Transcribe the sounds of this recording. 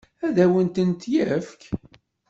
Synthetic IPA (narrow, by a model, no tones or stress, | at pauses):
æðæwənt̪ənt̪jæfk